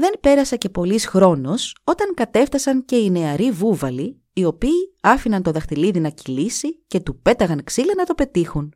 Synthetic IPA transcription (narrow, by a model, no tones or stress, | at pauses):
ðe̞npe̞ɾɐsɐce̞po̞lisxɾo̞no̞so̞t̪ɐŋkɐt̪e̞ft̪ɐsɐnce̞ine̞ɐɾivuvɐli | io̞piːɐfinɐnt̪o̞ðɐxt̪iliðinɐcilisice̞t̪upe̞t̪ɐɣɐnksilɐnɐt̪o̞pe̞t̪ixun